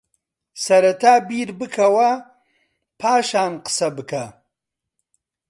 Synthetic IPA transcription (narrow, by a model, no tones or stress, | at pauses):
sɐɾɐt̪ʰaːbiɾbɨkʰɐwɐ | pʰaːʃaːnqə̥sɐbɨkʰɐ